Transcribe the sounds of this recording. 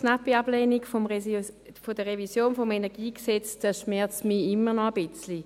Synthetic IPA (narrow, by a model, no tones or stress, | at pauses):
napiab̥leːniɡfom | fod̥əʁevisjoːnfomenɛɐɡiːksɛt͡sd̥aʃmɛɐt͡smiɪmːənɔəbɪt͡sli